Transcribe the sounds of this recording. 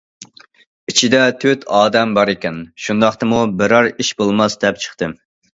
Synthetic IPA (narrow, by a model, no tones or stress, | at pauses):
it͡ʃʰid̪ɛt̪ʰøt̪ʰɑːd̪ɛmbɑɾekʲɛnʃund̪ɑχt̪ɨmubɪɾɑɾiʃbolˠmɑsd̪ɛp̚t͡ʃʰə̥χt̪ɨm